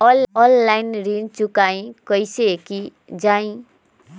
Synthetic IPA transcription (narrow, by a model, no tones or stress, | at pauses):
ɔɔllainɾint͡ʃukaĩkɔjseki | d͡ʒaĩ